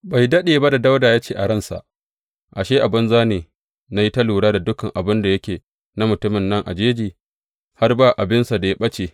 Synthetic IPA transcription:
ba˨jdɐ˦ɗeː˨ba˦da˨da˦wdaː˨jaː˦t͡ʃeː˦˨ʔa˨ɽɐ˦nsa̰˨ʔ | ʔa˨ʃeː˦ʔa˨bɪ˦nzaː˦neː˨ | na˦ji˦tɐ˦luː˨ɽaː˦da˨dʊ˦kɐ˨ŋʔa˨bɪ˦nda˨jɐ˦kʲeː˨ | na˦mʊ˨tʊ˦mɪ˨nːɐ˦ŋʔa̰˨d͡ʒeː˦d͡ʒiː˨ | ha˦rbaː˦˨ʔa˨bɪ˦nsa˨da˨ja˦ɓɐ˦t͡ʃeː˨

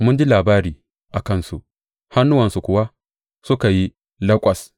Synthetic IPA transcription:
mʊ˦nd͡ʒi˦laː˨baː˦ɾiː˨ | ʔa˨kɐ˦nsṵ˨ʔ | ha˦nːʊ˦wɐ˨nsu˨kʷʊ˨wa˦ | sʊ˦ka˨ji˦ | lɐ˦kʷʼɐ˨s

